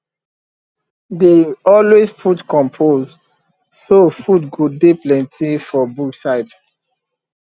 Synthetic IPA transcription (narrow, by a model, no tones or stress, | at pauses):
deɔlwespʰutkɔ̃mpʰoz | sofudɡodeplɛ̃ntʰifɔbuksaɪt